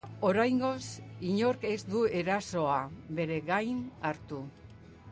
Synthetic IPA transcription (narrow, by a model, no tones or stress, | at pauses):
o̞ɾajŋɡo̞siɲo̞ɾke̞zd̪ue̞ɾaso̞aβe̞ɾe̞ɣajnaɾt̪u